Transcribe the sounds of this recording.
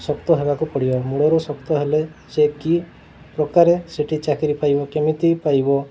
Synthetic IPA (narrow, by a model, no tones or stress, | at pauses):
sɔkt̪ɔɦebakupɔɽibɔmuɽɔɾusɔkt̪ɔɦeleseki | pɾɔkaɾeseʈʰit͡ʃakiɾipajbɔkemit̪ipajbɔ